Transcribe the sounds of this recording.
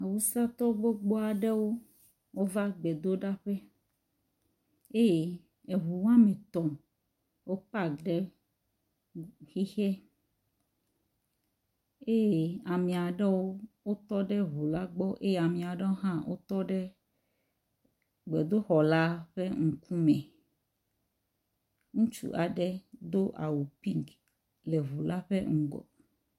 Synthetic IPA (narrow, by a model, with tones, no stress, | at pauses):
a˨wu˦sa˦t̪ɔ˦ɡ͡bo˦ɡ͡bɔ˦a˨ɖɛ˦wo˦ | wo˦va˦ɡ͡bɛ˨d̪o˦ɖa˦ɸe˦ | e˦je˨ | e˨ɦu˨wã˦mẽ˨t̪ɔ̃˨ | wo˦k͡pa˦ɖe˦ | xi˦xɛ˦ | e˦je˦˨a˨mĩ˨a˨ɖɛ˦wo˦wo˦t̪ɔ˦ɖɛ˦βu˨la˦ɡ͡bɔ˦ʔe˦ja˨mĩ˨a˨ɖɛ˦wo˦ɦã˦wʔo̰˦t̪ɔ˦ɖɛ˦ | ɡ͡bɛ˨d̪o˦xɔ˨la˦ɸe˦ŋ̩˨ku˦mɛ̃˨ | ŋũ˦t͡ʃṵ˨ʔa˨ɖɛ˦d̪o˦ʔa̰˨wu˨pi˦ŋk | le˨βu˨la˦ɸḛ˦ŋ̩˦ɡɔ̰˨